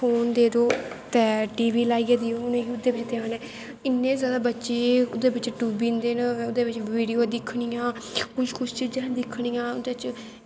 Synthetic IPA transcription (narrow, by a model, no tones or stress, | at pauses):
pʰoːnd̪eːd̪oːt̪ɛːʈiːʋiːlaːiːad̪iːoːʊnẽːiʊd̪eːbɪt͡ʃt̪eaːnẽː | ɪnːẽːzjaːd̪aːbətːʃeːʊd̪eːbɪt͡ʃʈuːbiːnd̪eːnʊd̪eːbɪt͡ʃʋiːɖijoːd̪ɪkʰːɽiːãːkʊt͡ʃkʰʊt͡ʃt͡ʃiːd͡ʒãːd̪ɪkʰːɽiːãːʊd̪eːɪt͡ʃ